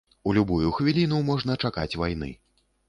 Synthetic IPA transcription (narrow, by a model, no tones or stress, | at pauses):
ulʲubujuxvʲilʲinumɔʐn̪ɐt͡ʂaka̰t͡sʲvajn̪ɨ̰